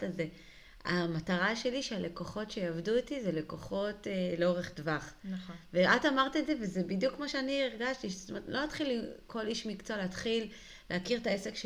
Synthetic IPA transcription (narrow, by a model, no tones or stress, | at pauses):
taze | a̰mataʁaʃe̞liʃeale̞koχo̞tʃe̞javduitizele̞ko̞χo̞teleoʁeχdvaχnveʔatamaʁt̪iezevezebidjukmoʃeanieʁɡaʃtiʃest̪ometlʔo̞nat̪χilikʰo̞liʃmikt͡soleatχilː | ehakiʁtaesekʃ